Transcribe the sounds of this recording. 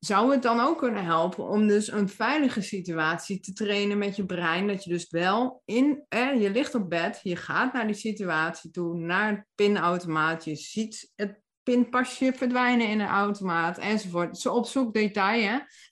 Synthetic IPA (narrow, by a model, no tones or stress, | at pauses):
zawət̚dɔnowkʰːønənɦɛlˠpə̰nɔmdøsənfɛjləχəsityaːtsitətrejnənmɛtjəbrɛjndɔtjədøsʋɛlˠɪnɛjəlɪxtɔp̚bɛtjəχaːtnaɹdisityaːtsitunaɹət̚pɪnawtomaːtʰjəz̥itət̚ | pɪnpaʃjəfəɹdʋɛjnəɪnəʔawtomaːtʰɛnzofʊɹtsəɔpsuk̚detɑjə